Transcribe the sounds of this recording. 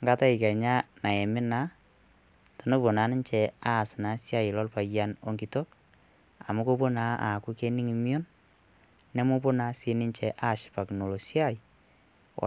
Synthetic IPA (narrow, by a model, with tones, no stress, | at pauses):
ŋɡa˦ta˦ɪ˨kɛ˨ɲa˦na˨ɛ˨mɪ˦na˦ | to˨no˦bo˨na˨˦nɪ˦nt͡ʃɛ˨a˦˨sna˨˦sja˦jɪ˨lɔ˦lpa˨ja˦no˨ŋɡi˨to˦k | a˨mu˦ko˦bo˦na˦a̰˨ku˦ke˦ni˦ŋi˨mio˦nː | ɛ˦mo˦po˦na˨˦si˦nɪ˦nt͡ʃɛ˨˦ʔa˦˨ʃɪ̥˨pa˨kno˨lo˨sja˦ḭ˨